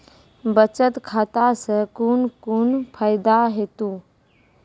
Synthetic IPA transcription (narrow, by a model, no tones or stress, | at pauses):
bət͡ʃət̪kʰat̪asə̃kunkunpʰəɪd̪aɦet̪ũ